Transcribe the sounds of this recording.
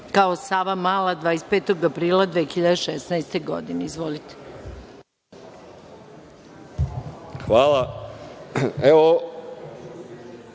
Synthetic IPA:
kaosaːʋamaːlad̪ʋaːespeːt̪oɡapɾiːlˠad̪ʋeːxiʎad̪eʃɛsnaest̪eɡo̰d̪ineizʋolit̪e̥ | xʋaːlˠa | eʋo

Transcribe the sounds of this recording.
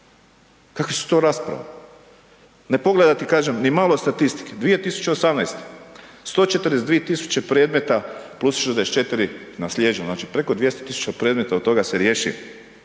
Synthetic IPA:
kakʋisu̥t̪o̞ɾaspɾa̰ʋa̰ | ne̞po̞ɡle̞d̪at̪ikaːʒemnimaːlˠo̞st̪at̪ist̪i̥ked̪ʋije̞t̪isu̥t͡ʃeosamnajst̪e̥st̪o̞ːt͡ʃet̪əɾdes̬d̪ʋijet̪isu̥t͡ʃe̞pɾed̪me̞t̪aplusʒd̪eset͡ʃe̞t̪iɾinaslʲjed͡ʒioznaːt͡ʃipɾe̞kod̪ʋje̞st̪o̥t̪isu̥t͡ʃapɾe̞ːd̪me̞t̪aod̪t̪o̞ɡaseɾjeʃḭ

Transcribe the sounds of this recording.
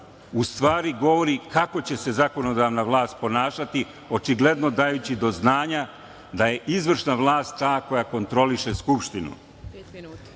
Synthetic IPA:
ust̪ʋaːɾiɡo̞ʋo̞ɾikako̞t͡ɕe̞se̞zako̞no̞d̪aʋnaʋlˠaːst̪̚po̞naːʃat̪i | o̞t͡ʃiɡle̞d̪no̞d̪aːjut͡ɕid̪o̞znaːɲa | d̪aje̞ʔizʋr̩ʃnaʋlˠaːst̪t̪ːaːko̞jako̞nt̪ɾo̞liʃe̞skupʃt̪inṵ

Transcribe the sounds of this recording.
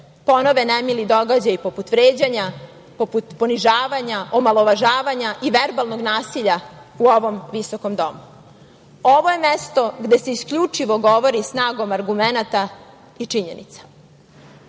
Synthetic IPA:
po̞no̞ʋenemilid̪o̞ɡad͡ʑajipo̞put̪ʋɾeːd͡ʑaɲa | poput̪po̞niʒaːʋaɲaʔomalˠo̞ʋaʒaːʋaɲaʔiʋeɾbalˠno̞ɡnaːsiʎauo̞ʋo̞mʋisoko̞md̪o̞mu | o̞ʋoje̞mest̪o̞ɡd̪e̞seiskʎut͡ʂiʋo̞ɡo̞ʋo̞ɾisnaːɡo̞maɾɡumenat̪a | it͡ʂiɲenḭt̪sḁ

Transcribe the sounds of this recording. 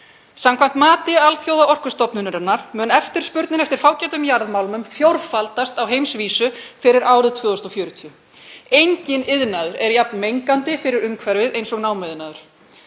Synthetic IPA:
samkʰvajm̥t̪maːt̪ɪalθjoːwðaʔɔr̥kʏst̪ɔpnʏnʏɾɛnaɾ̥mœːnɛft̪ɪɾ̥spʏɾt̪nɪnɛft̪ɪɾ̥faːwcɛt̪ʏmjaɾðmaːwlmʏmfjowɾfalt̪ast̪awɦejmsviːsʏfɪɾɪɾʔaːwɾɪðt̪ʰvœːðɔst̪ɔfjœːɾʏt̪ʰiʏ | ejɲcɪnɪðnaðʏɾɛɾjap̚nmejŋkant̪ɪfɪɾɪɾʏŋkʰvɛɾvɪðʔejnsɔɣnaːwmɛðnaːðʏɾ̥

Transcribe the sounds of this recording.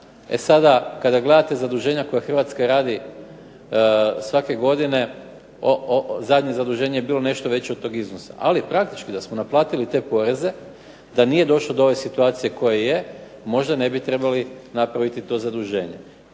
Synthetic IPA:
ḛsad̪akad̪aɡle̞d̪at̪ezad̪uʒe̞ːɲako̞jaxr̩ʋat̪skaɾaːd̪i | sʋake̞ɡo̞d̪ine̞ | ozad̪ɲezad̪uʒe̞ːɲejebiːlˠo̞ne̞ʃt̪oʋe̞t͡ɕeod̪t̪o̞ɡiznosa̰ʔalipɾak̚t̪i̥t͡ʃkid̪asmonaplˠaːt̪ilit̪e̞po̞ːɾe̞ze̞ | d̪aniːjed̪o̞ʃlod̪oo̞ʋesit̪uaːt̪sije̞ko̞jeje | mo̞ʒd̪ane̞bit̪ɾe̞balinapɾaʋit̪it̪o̞zad̪uʒe̞ːɲe̞̰

